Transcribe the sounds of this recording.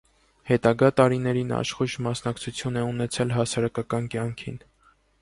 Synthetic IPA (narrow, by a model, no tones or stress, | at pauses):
hɛt̪ɑɡɑt̪ɑɾinɛɾinɑ̰ʃχuʒmɑsnɑkt͡sʰut͡sʰjunɛunɛt͡sʰɛlɦɑsɑɾɑkɑkɑnkjɑŋkʰḭn